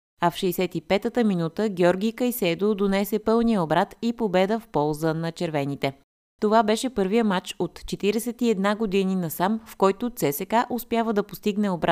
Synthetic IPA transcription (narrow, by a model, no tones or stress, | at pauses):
ɐfʃɛjsɛt̪ipɛt̪ət̪əminut̪əɡʲɛɔɾɡʲijkəjsɛd̪od̪onɛsɛpɤlˠnijəobɾat̪ipobɛd̪əfpɔlˠzənɐt͡ʃɛɾvɛnit̪ɛ | t̪ovabɛʃɛpɤɾvijəmat͡ʃot̪t͡ʃɛt̪iɾɛsɛt̪iɛd̪naɡod̪ininɐsamfkɔjt̪ʊt̪sɛsɛkaʔospjavəd̪ɐpost̪iɡnɛobɾat̪